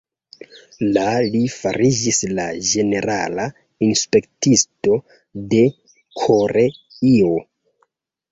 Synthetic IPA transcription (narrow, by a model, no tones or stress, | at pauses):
lalifaɾid͡ʒislad͡ʒe̞ne̞ɾala | inspe̞ktisto̞ | de̞ | kʰo̞ɾe | io